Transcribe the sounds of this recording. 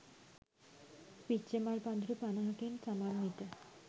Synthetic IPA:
pitːt͡ɕemaɾpad̪ʱɾepanaɦakent͡ɕamaɾmit̪a

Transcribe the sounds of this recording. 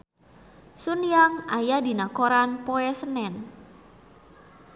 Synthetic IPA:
sunjaŋajadi̤nakoɾanpoɛsənɛn

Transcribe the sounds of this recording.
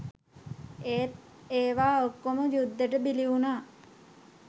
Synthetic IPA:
eːt̪̚eːʋaːokːoməjud̪ːəʈəbiliunaː

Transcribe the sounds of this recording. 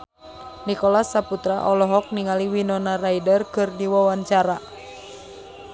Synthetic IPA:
nikɔlasːaput̪ɾaʔɔlɔɦɔk̚niŋaliwinɔnaraidərkɨrdiwawaɲt͡ʃaɾa

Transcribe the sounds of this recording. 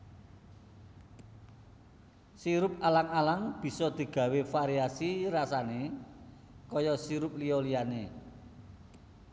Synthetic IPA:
siɾʊp̚alaŋalaŋb̥i̤sɔd̪̥i̤ɡ̥ä̤wefaɾiasirasane | kɔjɔsiɾʊp̚liɔliane

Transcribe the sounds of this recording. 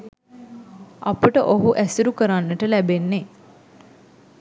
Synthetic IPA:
apəʈəʔoɦuʔæsiɾukəɾanːəʈəlæbenːe

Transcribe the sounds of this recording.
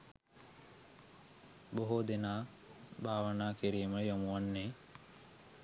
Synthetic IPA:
boɦod̪enaː | bʱaːʋənaːkiɾiːməjomuʋanːe

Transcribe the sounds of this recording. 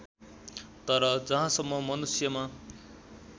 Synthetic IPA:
t̪ʌɾʌd͡zʌɦãsʌmːʌmʌnusjʌma

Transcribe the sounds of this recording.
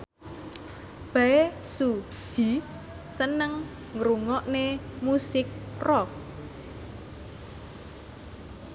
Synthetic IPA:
b̥aesu̥ | ʒ̥i̤ | sənəŋ | ŋɾuŋɔʔnemusɪk̚rɔk̚

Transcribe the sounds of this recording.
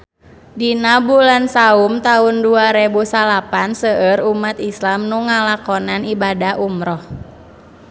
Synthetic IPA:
dinabulansaumt̪aʊnduaɾebusalapansəəɾumat̪islamnuŋalakɔnanibadaʔumɾɔh

